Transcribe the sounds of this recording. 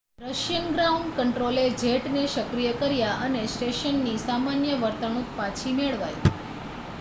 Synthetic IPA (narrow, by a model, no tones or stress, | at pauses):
ɾəʃjənɡɾauɳɖkəɳʈɾoled͡ʒʱeʈneʃəkɾijəkəɾjaʔənesʈeʃənːisamanjəʋəɾt̪ənũt̪̚pat͡ʃʰimeɭʋaj